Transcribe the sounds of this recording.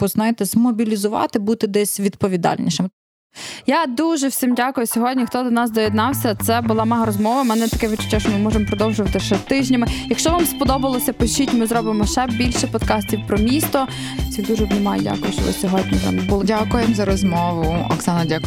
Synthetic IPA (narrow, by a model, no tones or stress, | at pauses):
bɔznɑjt̪ɛzmɔbʲilʲizʊʋɑ̰t̪ɪbut̪ɪd̪ɛsʲʋʲid̪pɔʋʲid̪ɑ̰lʲnʲḭʃɪm | jad̪uʒɛwsʲimdʲakʊjʊsʲɔɦɔdʲnʲixt̪ɔd̪ɔnɑsd̪ɔjid̪nɑwsʲɐt̪sɛbʊlˠɑmɑɦɾɔzmɔʋɐmɛnɛt̪ɐkɛʋɪt͡ʃʊ̥t͡ʃʲaʃɔmɪmɔʒemɔpɾɔd̪ɔwʒʊʋɐt̪ɪʃɛt̪ɪʒnʲɐmɪjɐkʃt͡ʃɔʋɑmspɔd̪ɔbɐlˠɔsʲɐpɪʃitʲmɪzɾɔbɪmɔʃɛbʲilʲʃɛpɔd̪kɑsʲt̪ʲiwpɾɔmʲist̪ɔ | sʲid̪uʒbnɛmɑjdʲa̰kʊjʊʃt͡ʃɔʋɪ̰sʲɔɦɔd̪ʲnʲizɛ̰mbuʊlˠdʲakʊjɛmzɐɾɔzmɔʋʊɔ̰ksɑnɐdʲak